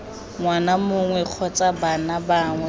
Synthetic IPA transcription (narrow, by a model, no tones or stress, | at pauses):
ŋwanamʊŋwɛq͡χʰɔt͡sʼabanabaŋwɛ